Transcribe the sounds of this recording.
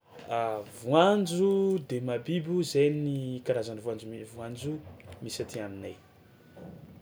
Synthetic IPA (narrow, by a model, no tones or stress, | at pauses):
avuand͡ʒud̪emabibuzejnikaɾazanivuand͡ʒumivuand͡ʒumisat̪iaminaj